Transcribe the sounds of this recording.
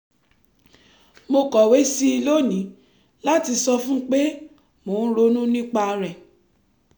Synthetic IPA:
mo˧kɔ˨we˨˦si˦i˧lo˦nĩ˨˦ | la˦ti˧sɔ˧fũ˦k͡pe˦ | mo˨˦n̩˦ɾo˦nũ˦nĩ˦k͡pa˧ɾɛ˨

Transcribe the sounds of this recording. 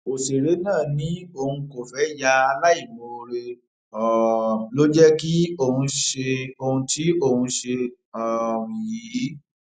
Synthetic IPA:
o˨se˨ɾe˨˦nãː˦˨nĩ˨˦o˧hũ˧ko˨fɛ˨˦ja˧a˧la˦i˦˨mo˧ɾe˧ | ɔ˨lo˦d͡ʒɛ˦ki˦o˦˨hũ˧ʃe˧o˧hũ˧ti˨˦o˦˨hũ˧ʃe˧ | ɔ˨ɾĩ˨ji˨˦

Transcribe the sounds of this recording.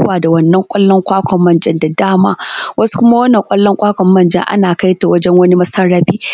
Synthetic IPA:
aː˨da˨wɐ˦nːɐ˦ŋkʷʼɐ˦lːɔ˦ŋkʷaː˦kʷɔ˨mːɐ˦˨nd͡ʒɐ˦nda˨daː˦maː˦wɐ˦su̥˦kʷʊ˦ma˦wɐ˦nːɐ˨ŋkʼɐ˦lːɔ˦ŋkʷaː˦kʷɔ˨mːɐ˦˨nd͡ʒɐ̰˦ŋʔa̰˦naː˨ka˦jta˨wɐ˦d͡ʒɛ˦ŋwɐ˦ni˦mɐ˦sɐ˦rːaː˦ɸiː˦

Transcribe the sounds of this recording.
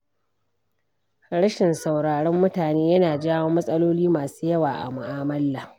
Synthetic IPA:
ɽɐ˦ʃɪ˨nsa˨wɽaː˨ɽɔ˦mːʊ˦taː˨neː˦jɐ˦naː˨d͡ʒaː˦woː˦mːɐ˦sʼɐ˦loː˦liː˦maː˨su̥ː˦jɐ˦waː˨ʔa̰˨mʊ˨ʔaː˦mɐ˦lːa˨

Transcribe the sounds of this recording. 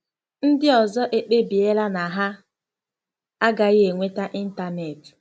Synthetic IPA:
n̩˦dɪ˦ɔ˨zɔ˦ʔe˦k͡pe˦bi˨e˦la˦na˨ɦa˦ | a˦ɡa˨ɣe˨ŋʷe˦ta˦ʔi˦n̩˦ta˨ne˨t

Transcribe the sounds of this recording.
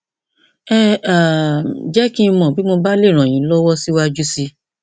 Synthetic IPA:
ɛ˦a˨d͡ʒɛ˦kĩ˦˧mɔ̃˨bi˨˦mo˧ba˦le˦˨ɾ̃ã˨j̃ĩ˨˦lɔ˦wɔ˦si˦wa˧d͡ʒu˦si˧

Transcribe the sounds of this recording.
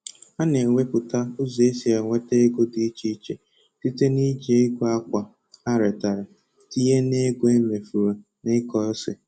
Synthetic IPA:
a˦ne˨ŋʷe˦pʊ˨ta˦ʊ˦ze˦si˨a˨ŋʷe˦te˦e˦ɡʊ˦di˨i˦t͡ʃi˦t͡ʃe˨ | ti˦te˦ni˦d͡ʒe˨ɪ˦ɡʷo˦a˦kʷa˨ | a˦ɾe˨ta˨ɾa˨ | ti˦ɦe˦ne˦ɡʷo˦e˦me˨fu˨ɾo˨ | nɪ˦kɔ˦sɪ˨

